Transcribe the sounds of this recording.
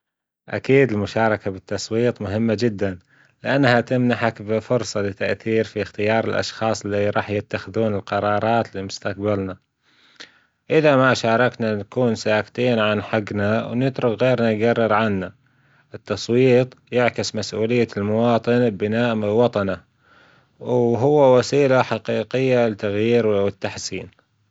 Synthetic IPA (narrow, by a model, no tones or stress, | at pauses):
ʔa̰kiːd̪ɪlmʊʃɑːɾˤɑkabɪt̪ːɑsˤwiːt̪ˤmʊɦɪmːad͡ʒɪd̪ːan | lɪʔanːhat̪ɪmnaħakbɪfʊɾsˤɑlɪt̪ːaʔθiːɾfixt̪ɪjɑːɾˤɪlʔɑ̰ʃxɑːsˤɪliɾˤɑːħjɪt̪ːaxɪðuːnɪlqɑɾˤɑːɾˤɑːt̪limʊst̪aq̚balna | ʔɪðamaʃɑːɾˤɑknanakuːnsaːkt̪iːnʕanħaɡnawnɪt̪ɾʊkɣeːɾnajɡarˤːɪɾʕanːa | ʔɪt̪ːɑsˤwiːt̪ˤjɪʕkɪsmasʔuːlɪjːalmʊwɑːt̪ˤɨnbɪnaːʔmɪlwɑt̪ˤɑna | wɦʊwːawasiːlaħaqiːqɪjːalɪt̪aɣjiːɾwwɪt̪ːaħsiːn